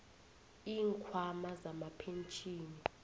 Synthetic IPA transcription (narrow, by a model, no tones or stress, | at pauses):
iːŋkʰwamazamapʰent͡ʃʼiːni